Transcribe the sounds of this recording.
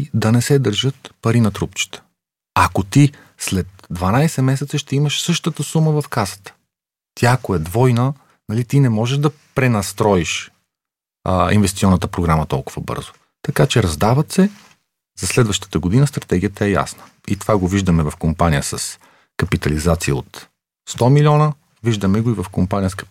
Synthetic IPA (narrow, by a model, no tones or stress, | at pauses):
d̪ɐnɛsɛd̪əɾʒɤt̪pɐɾinɐt̪ɾupt͡ʃi̥t̪ə̥ | ɐkot̪i | slɛt̪̚d̪vɐnajsɛmɛsɛt̪səʃt̪ɛiməʃsɤʃt̪ət̪əsuməvɐfkasə̥t̪ə̥ | t̪ʰjaːkoɛd̪vɔjnə | nɐlit̪inɛmɔʒɛʒd̪ɐpɾɛnɐst̪ɾɔiʃ | ḭnvɛst̪sʲiɔnːət̪əpɾoɡɾamət̪ɔlˠkʊv̥əbɤ̰ɾzʊ | t̪ɐkat͡ʃɛɾɐzd̪avət̪sɛ | zɐslɛd̪vəʃt̪ə̥t̪əɡod̪inəst̪ɾɐt̪ɛɡʲijət̪əɛja̰snə | it̪ovaɡoviʒd̪əmɛvɐfkompanijəsɐs | kɐpit̪ɐlizat̪siə̰o̰t̪ | st̪ɔmilʲɔnə | viʒd̪ɐmɛɡoivɐfkompanijəsk